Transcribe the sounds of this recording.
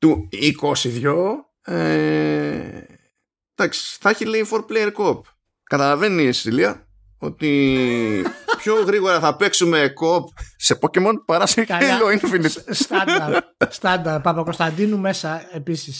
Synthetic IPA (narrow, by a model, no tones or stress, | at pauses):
t̪uikosiðʝo | e | d̪̥ɐksi̥θeçileifoɾplejeɾkop̚ | kɐt̪ɐlɐve̞nist̪iliɐ | o̞̰t̪i | pçoɣɾiɣo̞ɾɐθɐpe̞ksume̞kopsepocemonpɐɾɐsikɐloinefinitst̪ɐst̪ɐnd̪ɐpɐpɐkost̪ɐnd̪inume̞sɐepisis